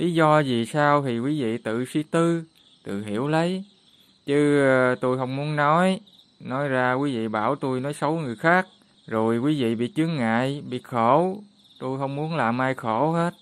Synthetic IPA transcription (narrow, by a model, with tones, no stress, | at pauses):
li˨˦zɔ˧zi˨˩saː˧wt̪ʰi˨˩kwi˨˦vḭ˧˨t̪ɨ̰˧˨si˧t̪ɨ˧ | t̪ɨ̰˧˨ɦi˧˩˦əwlə˨˦j | t͡ɕɨ˨˦t̪o˧jɦə˧wŋ͡mmu˨˦ənnɔ˨˦j | nɔ˨˦jzaː˧kwi˨˦vḭ˧˨ɓaː˧˩wt̪u˧jnɔ˨˦jsə˨˦wŋɨ˨˩əjxaː˦˥k̚ | zo˨˩jkwi˨˦vḭ˧˨ɓḭ˧˨t͡ɕɨ˨˦əŋŋa̰ː˧˨jɓḭ˧˨xo˧˩ | t̪o˧jɦə˧wŋ͡mmu˨˦ənlaː˨˩mʔaː˧jxo˧˩˦he˦˥t̚